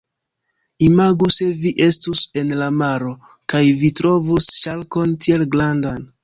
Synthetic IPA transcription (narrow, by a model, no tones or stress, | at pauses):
imaɡuse̞viʔe̞stuse̞nlamaɾo̞ | kajvitɾo̞vusʃalko̞ntie̞lɡlandan